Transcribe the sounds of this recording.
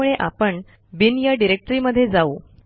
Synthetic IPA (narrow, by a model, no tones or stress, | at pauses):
uɭeʔa̰pəɳ | binjaɖiɾek̚ʈɾiːməd̪ʱːjed͡zauː